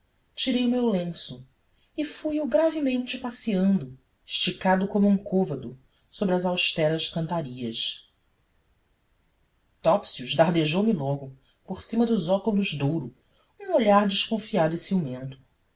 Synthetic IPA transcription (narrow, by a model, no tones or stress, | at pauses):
t͡ʃiɾejumewlẽsʊ | ɪfujuɡɾavɪmẽt͡ʃɪpasiɐ̃nd̪ʊ | ʃt͡ʃikad̪ʊkõmʊũŋkʰovɐd̪ʊ | sobɾɪɐzawʃt̪ɛɾɐʃkɐ̃nt̪aɾiɐʃ | t̪ɔpsiuʒd̪aɦd̪eʒowmilɔɡʊ | poɾsĩmɐd̪ʊzɔkulʊʒd̪owɾʊ | ũoʎaɾd͡ʒɪʃkõfiad̪ʊisiumẽnt̪ʊ̥